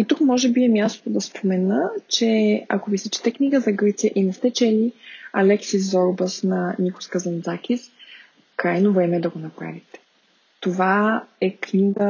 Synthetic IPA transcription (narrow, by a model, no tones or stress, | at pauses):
it̪ukmɔʒɛbiɛmʲjast̪ot̪od̪ɐspʰomɛnət͡ʃɛa̰kovisɛt͡ʃi̥t̪ɛknʲiɡəzɐɡɤt̪sijəʔinɛst̪ɛt͡ʃɛliɐlɛksizɔɾbəsnɐniko̥skəzɐnd̪zakʲis | kɾajnovɾɛmɛd̪ɐɡonɐpɾa̰vit̪ɛ̥ | t̪ovaɛknʲiɡə